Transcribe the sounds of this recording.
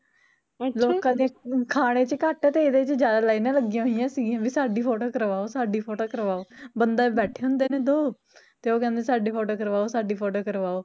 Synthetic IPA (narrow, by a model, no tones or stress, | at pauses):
loːkãːd̪ĩkʰaːɽ̃eːt͡ʃəkaːʈɛːt̪eːɪd̪eːɪt͡ʃd͡ʒjaːd̪aːlaːiːnãːləɡiãɦoɪjãːsiːɡijãːbiːsaːɖiːpʰoːʈoːkəɾʋaːoːsaːɖiːpʰoːʈoːkəɾʋaːoːbənd̪aːbɛːʈʰeːɦʊ̃nd̪eːneːd̪oː | t̪eːoːkɛ̃ːnd̪eːsaːɖiːpʰoːʈoːkəɾʋaːoːsaːɖiːpʰoːʈoːkəɾʋaːoː